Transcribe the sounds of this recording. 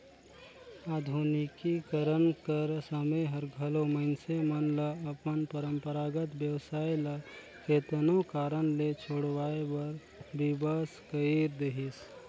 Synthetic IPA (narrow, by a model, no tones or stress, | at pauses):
aːd̪ʱunikikəɾənkəɾsəməɦəɾɡʱəloməɪnsemənləːpənpəɾəmpəɾaːɡət̪bjəwsaːilə | keːt̪nokaːɾənlet͡ʃʰoːɽwaːebəɾ | bibəskəiɾd̪eɦis